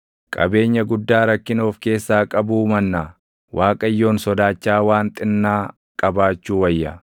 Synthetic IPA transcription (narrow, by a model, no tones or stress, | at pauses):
kʼɐ̰be̞ːɲːɐɡʊd̪ːaːɾɐkːɪno̞ːfke̞ːsːaːkʼɐbuːmɐnːaː | wʔaːkʼɐjːo̞ːnsɔd̪aːt͡ʃːaːwaːnt̪ʼɪnːaː | kʼɐbaːt͡ʃːuːwɐjːɐ̰